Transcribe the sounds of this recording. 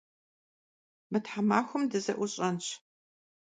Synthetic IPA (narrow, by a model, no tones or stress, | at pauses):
mɨtħamaːxʷʊmdɨzɐ̰ʔʷʊɕʼɐnɕʰ